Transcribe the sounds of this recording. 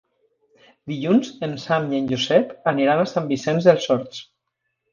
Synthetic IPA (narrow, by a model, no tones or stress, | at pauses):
d̪iʎunzensamienʲʒuzɛpəniɾanasambisɛnzðelˠsɔɾt̪s